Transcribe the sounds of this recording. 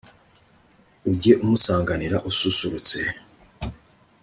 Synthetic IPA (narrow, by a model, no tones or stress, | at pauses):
uɟeʔumusaːŋɡaniɾaʔususuɾut͡se̞